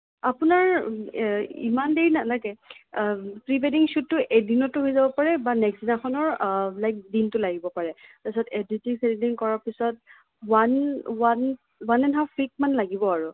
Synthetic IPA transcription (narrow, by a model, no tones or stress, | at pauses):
apʊnaɹ | ḭmandeɹinalaɡɛ | pɹipediŋsutːʊʔedinɔtːʊɦojzabɔpaɹɛbanɛkszinaxɔnɔɹlajk̚dintʊlaɡibɔpaɹɛtasɔteditiksetidinkɔɹapisɔt̚ | wanwan | wanɛnɦafʰɹik̚manlaɡibɔaɹu